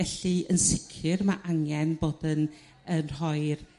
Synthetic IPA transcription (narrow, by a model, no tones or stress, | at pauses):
ɛɬiənsɪkʰɨrmaʔaŋjɛnboːdən | ənrɔɨr